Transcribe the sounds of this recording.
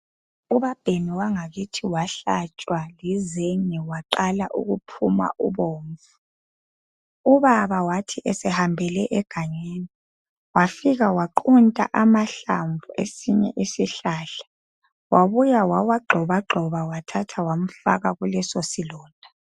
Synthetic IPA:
uβab̥ʱeniwaŋaɣitʰiwaɬat͡ʃʼwalɛzeŋiwaǃalaʔṵɣupʰṵma̰ʔuβoːɱvu | uβaβawatʰiʔɛsɛhambʱɛlɛʔɛɡ̥ʱaɲeːni | wafiɣawaǃuntʼa̰ʔamaɬaɱvʱuʔḛsiɲɛ̰ʔisiɬaːɬḁ | waβujawawaɡ͡ǃʱɔβaɡ͡ǃʱɔβawatʰatʰawam̩fa̰ɣaɣulɛsosilɔːnd̥ʱa

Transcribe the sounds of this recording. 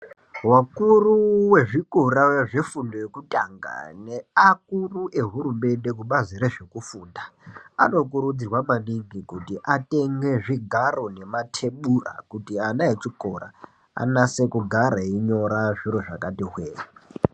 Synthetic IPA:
wakuruwe̞ʐikoraʐe̞fundojekutʼa̰ŋɡa̰neakuruʔe̞ɦurume̞nde̞kuɓazireʐe̞kufuːndaa̰no̞kuɾud͡zirwamaɗiɡikutiʔate̞ŋɡe̞ʐiɡʱaro̞ne̞matʰe̞ɓura̰kutianaet͡ʃikoɾa̰ | a̰nase̞kuɡʱaɾaiɲo̞ɾaʐiɾoʐakatiɦweːra

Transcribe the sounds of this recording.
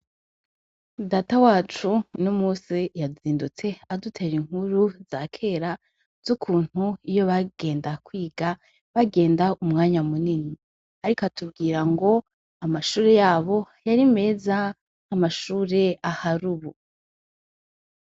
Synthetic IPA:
daːtawaːt͡ʃunumuːsijaziːndut͡se̞adutʰe̞ːɾiŋ̥huɾuzaːkʰe̞ːɾa | z̥ukʰuːn̥huijo̞βaɡ̥e̞ːndakwiːɡa | βaɡe̞ːndaumŋaːɲamunini | aɾikatubɡiːɾaŋɡo̞ | amaʃuːɾejaːβo̞ | jaɾime̞ːzaː | maʃuːɾe̞ahaɾuːβu

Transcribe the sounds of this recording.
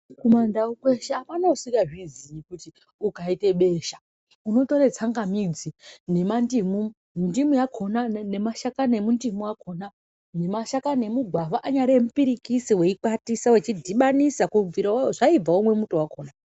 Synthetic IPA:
kumandaukwe̞ʃeapanausiɡaʐizijikuti | ukaite̞ɓe̞ːʃḁ | uno̞to̞ɾet͡saŋɡamid͡zine̞mandimu | ndimujakʰonane̞maʃakane̞mundimuwakʰo̞na | ne̞maʃakane̞muɡʱwaʋaʔaɲaɾemupiɾikisiwe̞ikwatisawet͡ʃidʱiɓanisakuviɾaʐaib͡vaomwe̞mutowakʰo̞ːna

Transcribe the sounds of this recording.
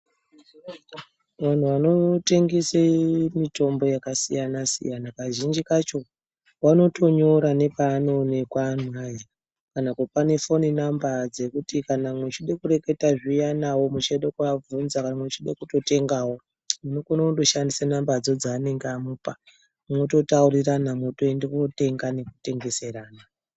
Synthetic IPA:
ʋan̤uʋano̞te̞ŋɡisemito̞mbo̞jakasḭjanasḭjanakaʒind͡ʒikat͡ʃo̞ | wano̞tʰo̞ɲoɾane̞paːno̞ne̞kwan̤waja | kanakupanefo̞ninambad͡ze̞kutikanamwet͡ʃiɗekuɾeke̞taʐijanawo̞mut͡ʃaɗekuavunzakanamwet͡ʃiɗḛkuto̞te̞ŋɡawo̞ | munokonauɗo̞ʃandisanambad͡zo̞d͡zaːne̞ŋɡamupa | mno̞to̞tauriranamoto̞endekote̞ŋɡane̞ku̥te̞ŋɡe̞se̞raːna

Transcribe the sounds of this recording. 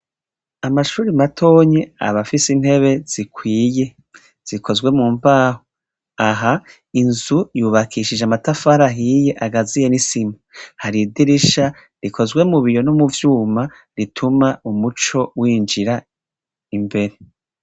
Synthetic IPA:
amaʃuːɾimatʰo̞ːɲea̰βafisin̥he̞βe̞z̥ikʰwiːje̞ | z̥ikʰo̞zɡwe̞muːmvaːho | aɦa | inzujuːβakʰiʃid͡ʒeamatafaːɾaɦije̞ʔaɡazijenisimuhaɾidiɾiʃa | ɾikʰo̞zɡwe̞muβijo̞numuvjuːma | ɾitʰumaumut͡ʃo̞wiːnd͡ʒiɾa | imbe̞ɾe̞

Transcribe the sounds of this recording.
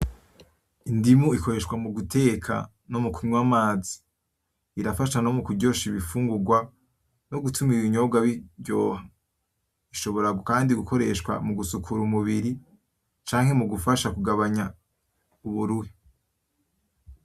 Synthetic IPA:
indimuiko̞ɾe̞ʃkwamuɡutʰe̞ːkʰa̰ | nomukwiɲwamaːzi̥ | iɾafaʃanomukuɟo̞ːʃiβifuːŋɡuɡwa | noɡutʰumiɾiɲo̞ɡwaβiɟɟo̞ːha | iʃo̞βo̞ɾaɡokaːndiɡukʰo̞ɾe̞ʃkwa̰muɡusukʰuɾumuβiɾi | t͡ʃaːŋhe̞muɡufaʃakuɡaβaɲa | uβuɾuhi

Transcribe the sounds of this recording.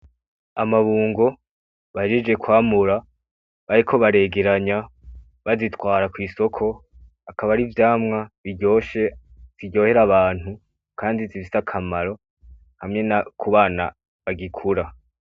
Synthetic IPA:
amaβuːŋɡo̞ | βaʒid͡ʒɡe̞kwaːmuɾa | βaɾikʰo̞βaɾe̞ːɡe̞ɾaɲa | βazitwaːɾakwiːso̞kʰo̞ | akaβaɾivjaːmŋaβiɟo̞ːʃe | z̥iɟo̞ːhe̞ɾaβaːn̥hu | kaːndizifi̥sakʰamaɾo̞ | hamŋe̞nakʰuβaːna | βaɡikʰuɾa

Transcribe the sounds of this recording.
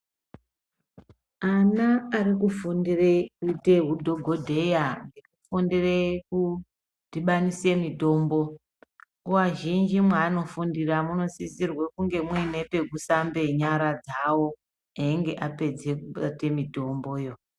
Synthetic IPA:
anaːɾikufundirekite̞ɦudʱo̞ɡʱo̞dʱe̞jaŋɡe̞kufundireku | d̥ʱiɓanise̞mito̞ːmbo̞ | uwaʒind͡ʒimwaːno̞fundiramuno̞zisirwekuŋɡe̞mwine̞pe̞ɡʱusambe̞ɲaɾad͡zawo̞ | eŋɡe̞ʔape̞d͡ze̞kuɓate̞mito̞mbo̞jo̞

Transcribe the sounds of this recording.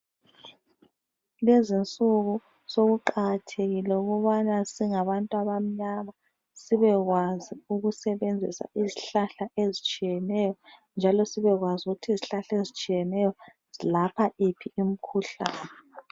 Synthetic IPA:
lezint͡sʼuɣu | soɣuǃaɣatʰeɣilɛuɣuβanasiŋaβantʼwaβam̩ɲama | siβɛɣwaziuɣusɛβend͡zʱisa̰ʔiziɬaɬaʔezit͡ʃʼijɛnɛjɔnd͡ʒʱalɔsiβɛɣwazuɣutʰiziɬaɬezit͡ʃʼijɛnɛjɔ | zilapʰaʔipʰiːm̩kʰuɬa̰ːnɛ

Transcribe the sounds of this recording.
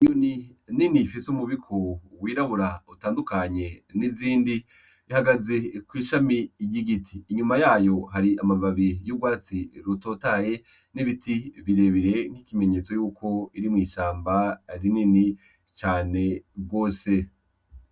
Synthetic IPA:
joni | ninifisumuβikʰowiːɾaβuɾautaːndukaɲe̞niziːndi | ihaɡaze̞kwiːʃamijiɡitʰiːɲumajaːjo̞haɾiamavaβijub̚ɡwaːt͡siɾuto̞ːtaje̞ | niβitʰiβiɾe̞βiɾe̞n̥hikime̞ɲe̞ːt͡so̞juːkʰo̞iɾimŋiːʃaːmbaɾinini | t͡ʃaːne̞bɡo̞ːse̞

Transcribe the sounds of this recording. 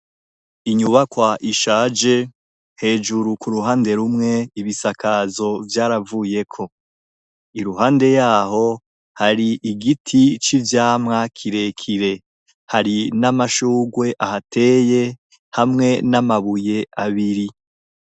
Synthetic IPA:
iɲuβakwaʔiʃaːd͡ʒe̞ | he̞ːʒuɾukuɾuɦaːnde̞ɾumŋe̞iβisakʰazo̞vjaːɾavuːje̞kʰo̞ | iɾuɦaːnde̞jaːho̞ | haɾiʔiɡitʰit͡ʃivjaːmŋakʰiɾe̞kʰiɾe̞ | haɾinamaʃuːɡwe̞ʔahatʰe̞ːje̞ | hamŋe̞namaβuje̞aβiɾi

